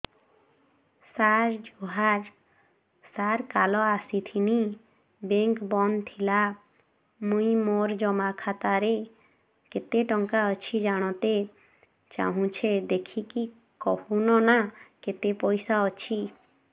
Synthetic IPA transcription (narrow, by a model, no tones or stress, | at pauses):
saɾd͡ʒuɦaɾ | saɾkalɔasit̪ʰini | beŋkbɔnd̪t̪ʰila | mũĩmoɾd͡ʒɔmakʰat̪aɾe | ket̪eʈɔŋkaɔt͡ʃʰid͡ʒaɽ̃ɔt̪e | t͡ʃa̰ɦũt͡ʃʰed̪ekʰiki | kɔhunɔnaket̪epɔjsaɔt͡ʃʰi